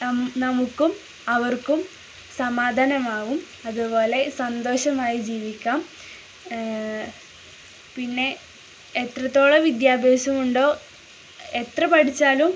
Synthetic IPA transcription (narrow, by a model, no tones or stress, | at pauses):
nɐmukːum | ɐʋɐrkum | sɐmaːd̪ʱanɐmaːʋum | ɐðupo̞ːle̞sɐnd̪o̞ːɕɐmaːjid͡ʑiːʋikʲːaːm | pinːe̞ː | t̪rɐt̪ːo̞ːɭɐʋid̪jaːbʱeːɕɐmuɳɖo̞ː | e̞t̪rɐpɐʈit͡ɕːaːlum